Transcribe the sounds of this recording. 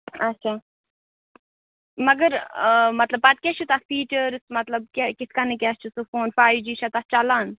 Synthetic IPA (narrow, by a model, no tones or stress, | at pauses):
ɐt͡ʃʰaː | mɐɡəɾmɐt̪lɐb̚pɐt̪̚kʲɛt͡ʃʰut̪aspiːʈəɾsmɐt̪lɐb̚kʲekɪsʰkanikʲɛst͡ʃʰusufoːnfaːjd͡ʒiːʃʰat̪ast͡ʃalaːn